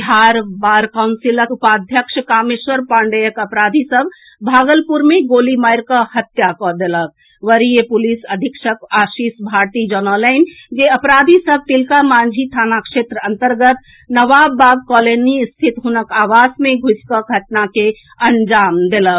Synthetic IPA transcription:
ɦaɾbaːɾkaʊnsiləkupad̪ʱjəkʃkamiswəɾpaɳɖəjəkəpɾad̪ʱisəbʱ | bʱaːɡəlpuɾmẽɡoːlimajɾkəhət̪jakɔd̪elək̚ | ʋəɾijepulisəd̪ʱikʃəkaʃisbʱaɾt̪id͡ʒɔnɔləɪnd͡ʒeəpɾad̪ʱisəb̚ʱt̪ilkamãnd͡ʒʱit̪ʰaːnakʃet̪ɾəənt̪əɾɡət̪ | nəʋabːaɡ̚kɔlenist̪ʰit̪ɦunəkaːʋasmẽɡʱuskəɡʱəʈnake | ənd͡ʒaːmd̪elək

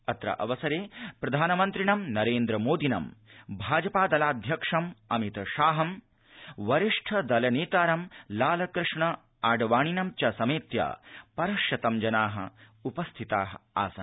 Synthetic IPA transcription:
ɐt̪ɾɐ̰ʔɐ̰ʋɐsɐɾeːpɾɐd̪ʱaːnɐmɐnt̪ɾiɳɐmnɐɾeːnd̪ɾɐmoːd̪inɐ̰mbʱaːd͡ʒɐpaːd̪ɐlaːd̪ʱjɐkʂɐmɐmit̪ɐʃaːɦɐm | ʋɐɾiʂʈʰɐd̪ɐlɐneːt̪aːɾɐmlaːlɐkɾɨʂɳɐ | aːɖɐʋaːɳinɐmt͡ʃɐsɐmeːt̪ja̰ːpɐɾɐʃjɐt̪ɐmd͡ʒɐnaːɦɐ̰ | upɐst̪ʰit̪aːɦɐa̰ːsɐn

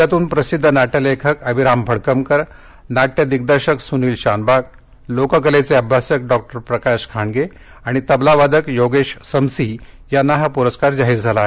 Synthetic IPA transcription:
jat̪uːnpɾəsid̪ʱːənaʈəlekʰəkəbʱiɾambʱəɽkəmkəɾ | naʈjəd̪ik̚d̪əɾɕəksuniːlɕanbak̚ | lokəkəlet͡seəbʱasjək̚ɖɔk̚ʈəɾpɾəkaɕkʰaɳɡe | aɽ̃it̪əblaʋad̪ʱəkjoɡeɕsəmsiː | janːaɦapuɾəskaɾd͡zaɦiːɾd͡zʱalaɦe

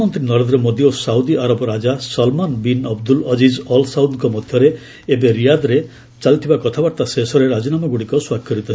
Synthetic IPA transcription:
mɔnt̪ɾinɔɾend̪ɾɔmod̪iosaud̪iʔaɾɔbɔɾad͡ʒasɔlmanbinɔbd̪ulɔd͡ʒid͡ʒɔlsawd̪kɔmɔd̪ʱjɔɾeː | beɾijad̪ɾe | t͡ʃalit̪ʰibakɔt̪ʰabaɾt̪asesɔɾeɾad͡ʒinamɔɡuɽikɔswakʰːɔɾit̪ɔ

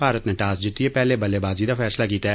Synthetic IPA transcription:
paːɾət̪neːʈaːsd͡ʒɪt̪ːieːpɛːleːbəleːbaːzid̪aːfʰɛːslaːkiːt̪aɛ

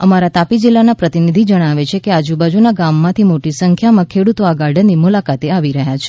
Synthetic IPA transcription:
əmaɾat̪apid͡ʒilːanapɾət̪inid̪ʱid͡ʒəɽ̃aʋet͡ʃʰekead͡ʒubad͡ʒunaɡamːãt̪ʰimoʈisəŋkʰjamãkʰeɽut̪oaɡaɾɖənːimulakat̪eaʋiɾəɦjat͡ʃʰe̥

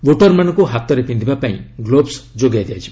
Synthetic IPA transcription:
boʈɔɾmanɔ̃ŋkuɦat̪ɔɾepind̪ʱibapaḭ̃ɡlobsd͡ʒoɡajd̪jajt͡ʃʰi̥

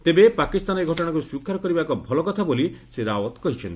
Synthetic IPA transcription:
t̪ebepakist̪anɔeɡʱɔʈɔɽ̃akuuswikʰːaɾɔkɔɾibakɔbʱɔlɔkɔt̪ʰaboliseɾawɔt̪kɔɦit͡ʃʰɔnt̪i

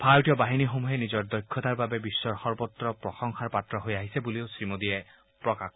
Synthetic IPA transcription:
pʰajʈijɔbaɦinixomuɦenizɔɹd̪ɔjkʰːɔt̪aɹbabebisːɔɹxɔɹbɔt̪ɹɔpɹɔxɔŋxʰaɹpat̪ɹɔɦojaɦisebuliosɹimod̪ie | pɹɔkak

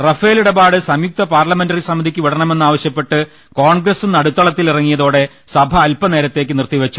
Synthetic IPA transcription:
rɐfeːliɽɐbaːɽɨsɐmjuk̚t̪ɐpaːrlɐme̞ndɐrisɐmːɐd̪ʱikʲːɨʋiɽɐɳɐme̞nːaːʋɐɕjɐpːe̞ʈːɨ | koːɳɡrɐsɨnɐɽut̪ːɐɭɐt̪ːilirɐŋːijɐðo̞ːɽe̞ | sɐbʱɐːlpɐne̞ːɾɐt̪ːe̞ːkːɨnirt̪iʋɐt͡ɕːu

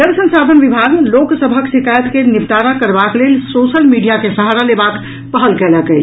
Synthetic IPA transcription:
əɾsə̃nsad̪ʱənʋibʱaɡloksəbʱəksikajət̪kenipt̪aɾakəɾbaklelsosəlmiɖijakesəɦaɾalebak | pəɦəlkɛləkɛt͡ʃʰ

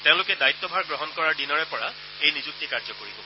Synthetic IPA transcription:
teʊ̃lʊkɛdait̪ːɔbʱaɹɡɹɔɦɔnkɔɹaɹdinɔɹɛpɔɹa | ejnizuk̚tikaɹzɔkoɹibɔ̰̃

